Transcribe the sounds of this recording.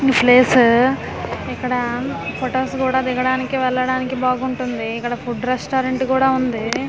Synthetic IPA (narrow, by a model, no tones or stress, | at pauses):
ipʰleːsu | ikːɐɽɐpʰoʈoːskuːɽaːd̪iɡɐɽaːnikiʋɛlːɐɽaːnikibaːɡuɳʈund̪iːkːɐɽɐpʰuɖɾesʈoːɾeɳʈkuːɽaːund̪i